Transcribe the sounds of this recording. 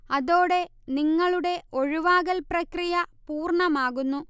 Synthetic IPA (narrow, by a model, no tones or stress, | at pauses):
ɐðoːɽe̞ | niŋːɐɭuɽe̞o̞ɻuʋaːɣɐlprɐkrijɐpuːrɳɐmaːɣunːu